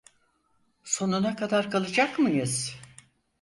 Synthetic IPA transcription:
so̞nunakʰad̪aɾkʰalˠɯd͡ʒakmɯjɯz̥

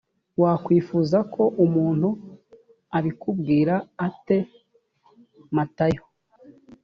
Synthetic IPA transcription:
waːkwiːfuːzakʰo̞ʔumuːn̥hu | aɾikub̚ɡiːɾaːte̞ | matajo

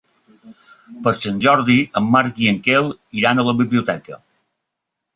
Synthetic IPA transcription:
pəɾsənʲʒɔɾðiəmːaɾkiəŋkelˠiɾanələβiβliut̪ɛkə

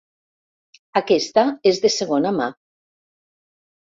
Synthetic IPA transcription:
akest̪aezðeseɣ̞onama

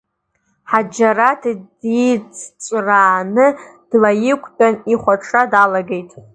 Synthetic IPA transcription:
ħad͡ʒaratʰdit͡sʰt͡ʃʷʼraːnɨd̥lajɪkʷʰʼt͡pʼaniχʷaʈ͡ʂʰadalaɡe̞jtʼ

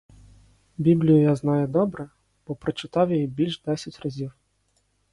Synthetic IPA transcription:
bʲiblʲijʊjaznajʊd̪ɔbɾɛ | b̥ɔpɾɐt͡ʃɪt̪ɑwjɐjibʲilʲʐd̪ɛsʲɐt͡sʲrɐzʲiw

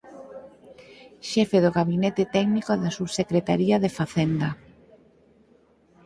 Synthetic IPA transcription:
ʃɛfeðoɣaβinet̪ɪt̪ɛɡnikoðasuβsekɾet̪aɾiaðefaθend̪ɐ

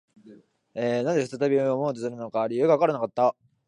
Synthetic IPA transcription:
eːnad̪efɯ̥t̪at̪abʲioomoːt̪̬esɨɾɯ̟no̞kaɾʲijɯ̟ːɡaβakaɾanakat̪ːa

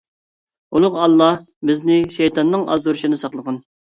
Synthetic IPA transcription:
ulˠʊʁɑlˠːɑ | bɪznɪʃɛjt̪ɑnːɨŋʔɑ̰zuɾʃinɨsɑqlˠəqɑn

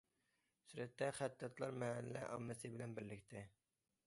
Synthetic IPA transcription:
syɾɛt̪ːɛχæt̪ːɛt̪lˠɑɾmɛɦɛlːɛ̰ʔɑmːɨsɨbɪlɛnbɪɾlɪk̚ʲt̪ʰɪ

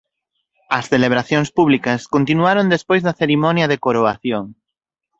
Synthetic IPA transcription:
ɐsθeleβ̞ɾaθjoŋspuβ̞likɐskont̪inuaɾond̪espojzðɐθeɾimõnjɐðekoɾoaθjoŋ

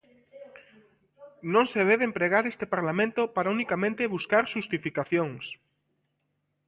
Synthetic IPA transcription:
nõŋseð̞eβempɾeɣ̞aɾest̪epaɾlamẽnt̪opaɾaunikamẽnt̪eβuskaɾʃust̪ifikaθjoŋs

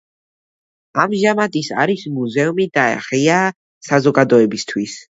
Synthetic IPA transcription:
amʒamad̪isa̰ɾismuzɛumid̪aɛ̰χia | sazɔɡad̪ɔɛbist̪ʰwis

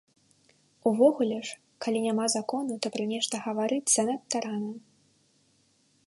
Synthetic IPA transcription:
uvɔɣulʲɛʂ | kalʲinʲamazakɔnut̪ɔpɾamʲɛʂt̪ɐɣɐvaɾɨsɐnɐt̪ːaɾanɐ

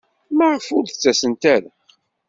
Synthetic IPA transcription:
mæʁəfʊɾθt͡sːæsənt̪æɾə

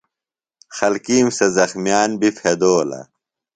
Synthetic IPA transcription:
xɐlkiːmsɐzɐxmjaːnbifed̪oːlɐ̰

